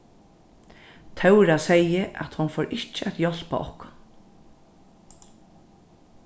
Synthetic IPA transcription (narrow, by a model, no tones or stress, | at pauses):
t̪ʰɛwɾasɛjəʔa̰t̪hʊnfoːɾʔɪht͡ʃəɛt̪jɔl̥pa̰ʔɔ̰hkʊn